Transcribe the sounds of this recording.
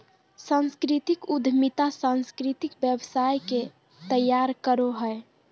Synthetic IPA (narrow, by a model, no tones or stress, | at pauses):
sə̃nskɾit̪ikud̪ʱmit̪asə̃nskɾit̪ikbjəbsajke | t̪əjːaɾkəɾoɦəe